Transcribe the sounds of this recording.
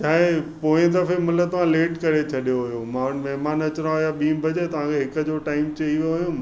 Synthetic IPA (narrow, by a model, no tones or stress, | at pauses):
t͡ɕaːɦẽpõːd̪ɐɾfemɐlət̪ɐʋ̤ãleːʈkɐɾet͡ɕʰɐɗijoɦʊjomãːʊnmɛɦmaːnɐt͡ɕɾãɦojaɓĩːmbʱɐd͡ʑet̪ɐʋ̤ãkʰeɦɪkə̆d͡ʑoʈaːɪmt͡ɕɐiʋijoɦjũ